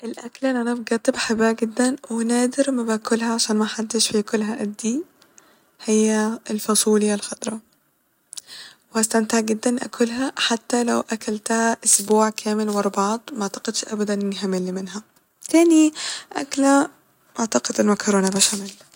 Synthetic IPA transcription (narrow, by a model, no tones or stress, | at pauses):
ʔelʔæklʔenːʔænæbɡæːt̪ˤebħabːæɡɪd̪ːænwenæːd̪ɪɾmæbæʔkʰʊlhæʕaʃæːnmæħad̪ːɪʃfikʊlːɦæʔæd̪ːi | hejːælfɑsˤuːlɪalxɑt̪ˤɾˤɑ | wehæst̪amt̪aʕɡɪd̪ːænʔæ̰kʰʊlɦæħat̪ːælæwʔækælt̪hæʔʊsbuːʕkʰæːmelwɑɾˤbʕɑːt̪ˤmaʕt̪ɑ̥qed̪ʃʔæbæd̪ænʔɪniɦamelːimɪnɦæ | t̪æːniʔæ̰klæ | ʔaʕt̪ɑqed̪ɪlmækɑɾoːnabæːʃʕamɪlː